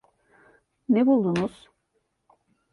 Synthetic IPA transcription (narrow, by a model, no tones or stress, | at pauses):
nebulˠd̪unuz̥